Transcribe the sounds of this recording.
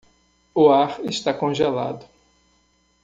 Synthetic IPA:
ʊaɾest̪akõʒela̰d̪ʊ

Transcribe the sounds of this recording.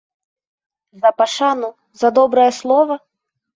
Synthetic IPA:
zɐpaʂanu | zɐd̪ɔbɾɐjɐslˠɔvɐ

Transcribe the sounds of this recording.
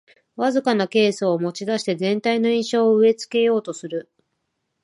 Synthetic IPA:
βazɨkanake̞ːsoːmo̞t͡ɕid̪aɕi̥t̪e̞zẽ̞nt̪aino̞ĩɰ̃ɕo̞ːɯe̞t͡sɨ̥ke̞jo̞ːt̪o̞sɨɾɯ̟

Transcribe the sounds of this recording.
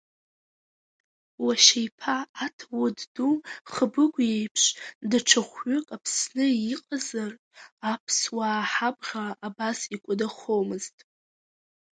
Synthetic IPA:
waʃejpʰaːtʰwʊdduχəbɨɡʷjejpʰʂdaʈ͡ʂʰaχʷɥʏkʼapʰsnɨiqʼazar | apʰswaːħabʁʲaʔːbasikʷʼʊdaχowmɨztʼ

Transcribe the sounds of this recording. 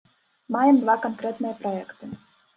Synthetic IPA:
majɛmd̪vakankɾɛt̪nɨjɐpɾɔɛkt̪ɨ

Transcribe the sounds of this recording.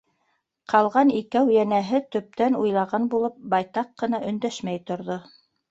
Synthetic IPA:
qʰɑlˠʁɑnikæwjænæɦɘt̪ɵ̆p̚t̪ænujlˠɑʁɑnbulˠɤp̚bɑjt̪ɑqːɤ̆nɑʔɵ̆nd̪æʃmæjt̪ŏɾðo

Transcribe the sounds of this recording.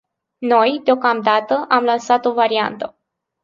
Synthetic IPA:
no̞jd̪eo̞kamd̪at̪əʔamlansat̪o̞vaɾia̰nt̪ə

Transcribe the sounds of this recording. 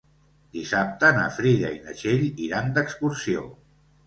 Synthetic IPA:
d̪isap̚t̪əna̰fɾiða̰inə̰ʃeʎiɾand̪əkskuɾsio̰

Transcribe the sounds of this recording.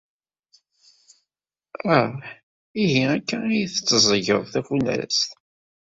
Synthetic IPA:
æ | iɦiækːænijθə̥t͡sːəzˤəʝəðˤθæfunæ̰ɾsθ

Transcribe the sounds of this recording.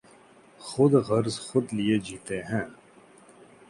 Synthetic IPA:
xʊd̪ɣɐɾzxʊd̪lijed͡ʒiːt̪eːɦɛ̃ː

